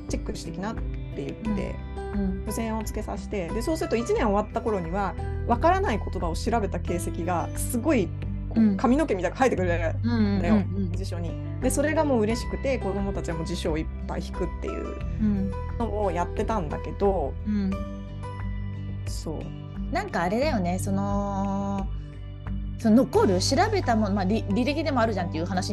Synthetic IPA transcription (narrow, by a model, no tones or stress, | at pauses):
t͡ɕe̞kːɯ̟ɕi̥t̪e̞kʲinat̪ːe̞jɯ̟t̪ːe̞̰ | bosẽ̞ɰ̃o̞t͡sɨ̥ke̞sa̰ɕi̥t̪e̞d̪e̞so̞ːsɨɾɯ̟t̪o̞it͡ɕinẽɰ̃o̞βat̪ːako̞ɾo̞ɲ̟iβaβakaɾanaiko̞t̪o̞d̪ao̞ɕiɾabe̞t̪ake̞ːse̞kʲiɡasɨɡo̞i | kokamʲino̞ke̞mʲit̪akḁhait̪ːekɯ̟ɾead̪ajo̞d͡ʑiɕo̞ɲ̟i | d̪e̞so̞ɾe̞ɡamo̞ːɯ̟ɾe̞ɕi̥kɯ̟t̪e̞ko̞d̪o̞mo̞t̪at͡ɕiβamoːd͡ʑiɕoːipːa̰içi̥kɯ̟t̪ːe̞̰jɯ̟̰ːɯ̟̃ | no̞ojat̪ːe̞t̪ãnd̪a̰ke̞d̪o̞ɯ̟̃ɴ | so̞̰ː | nãŋkaːɾe̞d̪ajo̞ne̞so̞no̞ | sonono̞ko̞ɾɯ̟ɕiɾabe̞t̪amo̞nomaɾʲiɾʲiɾekʲid̪e̞moaɾɯ̟ʑãnt̪ːejɯ̟ɦanaɕi